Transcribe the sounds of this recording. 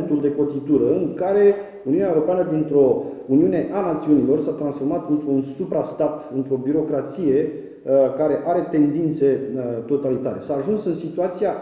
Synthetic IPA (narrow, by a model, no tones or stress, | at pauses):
nt̪uld̪e̞ko̞t̪it̪uɾəɨŋkaɾe̞ | uniuneaeuɾo̞peanəd̪int̪ɾo̞uniune̞ʔanat̪siunilo̞rsat̪ɾansfo̞rmat̪ɨnt̪ɾuunsupɾast̪at̪ɨnt̪ɾo̞biɾo̞kɾat̪sije̞ | kaɾe̞ʔaɾe̞t̪e̞nd̪int̪se̞t̪o̞t̪alit̪aɾe̞saːʒunsɨnsit̪uat̪sia